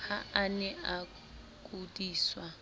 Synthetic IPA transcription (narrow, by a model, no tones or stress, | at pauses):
haanɛa | k̬ʼudiːswa